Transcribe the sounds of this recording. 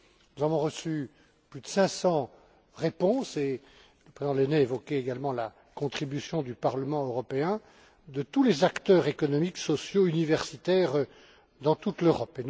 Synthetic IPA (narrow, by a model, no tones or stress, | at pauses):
nuzavɔ̃ʁəsy | plyd̪əsɛ̃sɑ̃ | ʁepɔ̃se | ləpχezid̪̃lenɛevɔkʲɛeɡalmɑ̃la | kɔ̃t̪χibysjɔ̃d̪ypaʁləmɑ̃øʁɔpeɛ̃ | d̪ət̪ulezakt̪œʁekɔnɔmiksɔsjoynivɛʁsit̪ɛʁ | d̪ɑ̃t̪ut̪løʁɔpen